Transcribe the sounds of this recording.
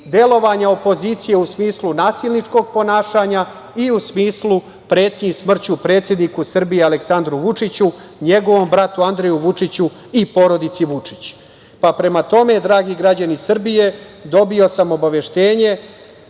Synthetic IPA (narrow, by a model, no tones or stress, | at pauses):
d̪e̞lo̞ʋaɲao̞po̞ziːt̪sije̞usmiːslˠunaːsilnit͡ʂko̞ɡ̚po̞naːʃaɲa | iusmiːslˠu | pɾe̞ːt̪ɲismr̩t͡ɕupɾe̞ːt̪sjed̪nikusr̩bijeale̞ksand̪ɾuʋut͡ʂit͡ɕuɲe̞ɡo̞ʋo̞mbɾat̪uand̪ɾejuʋut͡ʂit͡ɕu | ipo̞ɾo̞d̪it̪siʋut͡ʂit͡ɕ | papɾe̞mat̪o̞me̞d̪ɾaːɡiɡɾad͡ʑanisr̩bije̞d̪o̞bio̞samo̞baʋeʃt̪e̞ːɲe̞